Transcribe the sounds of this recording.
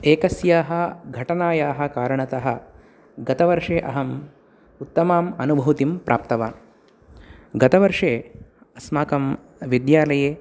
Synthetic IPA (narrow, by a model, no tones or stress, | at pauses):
eːkɐsjaːɦɐ̆ɡʱɐʈɐnaːjaːɦɐ̆kaːɾɐɳɐt̪ɐɦɐ̆ | ɡɐt̪ɐʋɐɾʂeːʔɐɦɐm | ut̪ːɐmaːmɐnubʱɐʋt̪impɾʔa̰ːp̚t̪ɐʋaː | ɡɐt̪ɐʋɐɾʂeː | ɐsmaːkɐm | ʋid̪jaːlɐjeː